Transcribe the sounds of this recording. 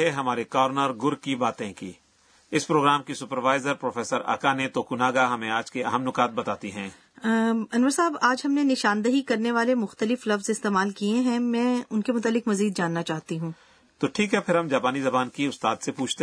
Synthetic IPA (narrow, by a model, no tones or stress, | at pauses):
eɦɐmaːɾekɔːɾnəɾɡʊɾkibaːt̪ẽkiː | ɪspɾoːɡɾaːmkisʊpəɾʋaːɪzəɾpɾoːfʰeːsəɾa̰ːkaːnet̪oːkunaːɡaɦɐmẽaːd͡ʒkeɐ̰ɦəmnʊkaːt̪̚bɐt̪aːt̪iɦɛ̰̃ː | ɐnʋəɾsaːbaːd͡ʒɦɐmnenɪʃaːnd̪əɦikɐɾneʋaːlemʊxt̪əlɪflɐfzɪst̪eːmaːlkiẽɦɛ̃mɛ̃ːʊnkemʊt̪alːɪkmɐziːd̪̚d͡ʒaːnːat͡ʃaːɦt̪iɦũː | t̪oʈʰiːkɦɛpʰɪɾɦɐmd͡ʒaːpaːnizɐbaːnkiʊst̪aːd̪sepuːt͡ʃʰt̪e